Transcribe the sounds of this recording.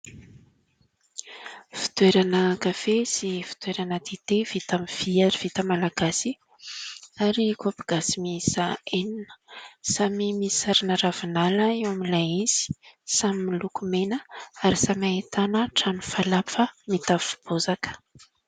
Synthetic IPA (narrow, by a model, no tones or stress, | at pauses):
fi̥t̪weɾanəkafesifi̥t̪weɾanəd̪et̪evit̪amiv̥iaɾiv̥it̪əmalaɡ̥asi | aɾikapiɡ̥asimisaeninə̥samimisaɾinəravinaləewamilajiz̥i̥samimilukumenəaɾisamaet̪anəʈ͡ʂanufalapfəmit̪afu̥b̥ozakə̥